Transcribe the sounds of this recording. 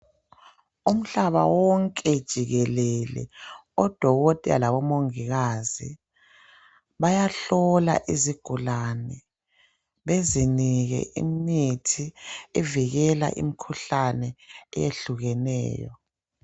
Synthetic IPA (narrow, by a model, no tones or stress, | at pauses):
um̩ɬaβa̰wɔŋkʼɛd̥ʒ̥ʱiɣɛlɛlɛ̰ɔd̥ʱɔɣɔtʼɛa̰laβɔmoŋiɣazi | βajaɬɔla̰ʔiziɡ̥ʱulanɛ | βeziniɣɛ̰ʔḭm̩nitʰiɛviɣɛla̰ʔḭmikʰuɬanɛɛ̰jeɬuɣɛnɛ̰ːjɔ